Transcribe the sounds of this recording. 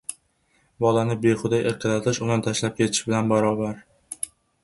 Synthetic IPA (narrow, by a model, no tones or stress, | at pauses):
bɒlanɪbeχʊd̪ajʔeɾqʰɨlat̪ʰɪʃʊnant̪ʰaʃlap̚kʲʰe̞t̪ʰɪ̥ʃbɪlanbaɾɒbaɾ